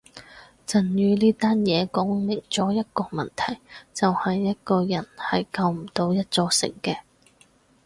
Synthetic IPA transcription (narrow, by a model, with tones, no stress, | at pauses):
t͡sɐ˨˩njyː˧liː˥t̪aː˥njɛː˨˧kɔː˨˥ŋlɪ˨˩ŋt͡sɔː˨˥jɐ˥t̚kɔː˧mɐ˨˩nt̪ʰɐ˨˩jt͡sɐ˨whɐ˨jːɐ˥t̚kɔː˧jɐ˨˩nhɐ˨jkɐ˧wm̩˨˩t̪o˧wjɐ˥t̚t͡sɔː˧sɪ̰˨˩ŋkɛː˧